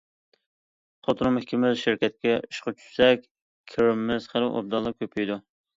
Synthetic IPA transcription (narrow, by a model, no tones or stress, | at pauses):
χot̪ʰɨɾʊmhɪkʲimɪzʃɪɾkʲɛt̪̚kʲɛiʃqɑt͡ʃʰy̥ssɛkʲ | kʲʰɪɾɪmːɪz̥χəlɪʔo̰b̚d̪ɑlˠɑkʲʰøpʰijd̪u